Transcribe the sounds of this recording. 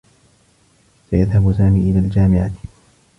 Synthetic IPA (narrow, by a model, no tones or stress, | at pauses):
sajaðhabsaːmiːʔɪlaːld͡ʒaːmɪʕa